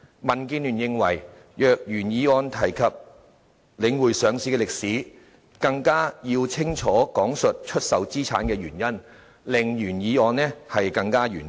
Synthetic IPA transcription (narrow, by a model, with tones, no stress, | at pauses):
mɐ˨˩nkiː˧nlyː˨˩njɪ˧ŋwɐ˨˩j | jœː˨k̚jyː˨˩njiː˨˧ɔː˧nt̪ʰɐ˨˩jkʰɐ˨p̚ | lɪ˨˧ŋwuː˨˩jsœː˨˧ŋsiː˧˥kɛː˧lɪ˨k̚siː˨˥ | kɐ˧ŋkaː˥jiː˧wt͡sʰɪ˥ŋt͡ʃʰɔː˨˥kɔː˨˥ŋsɵ˨t̚t͡ʃʰɵ˥t̚sɐ˨wt͡siː˥t͡sʰa̰ː˨˥nkɛː˧jyː˨˩njɐ˥n | lɪ˨ŋjyː˨˩njiː˨˥ɔː˧nːɛ˥hɐ˨jkɐ˧ŋkaː˥jyː˨˩n